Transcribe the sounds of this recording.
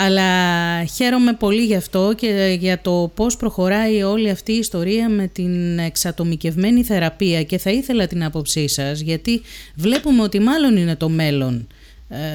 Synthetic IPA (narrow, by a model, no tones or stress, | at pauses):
ɐlɐçe̞ɾo̞me̞po̞liʝɐft̪o̞ceʝɐt̪o̞po̞spɾo̞xo̞ɾɐio̞liɐft̪iːst̪o̞ɾiɐme̞t̪ine̞ksɐt̪o̞mice̞vme̞niθe̞ɾɐpiɐce̞θɐiθe̞lɐt̪inɐpo̞psisɐzʝɐt̪ivle̞pumeo̞t̪imɐlo̞nine̞t̪o̞me̞lo̞n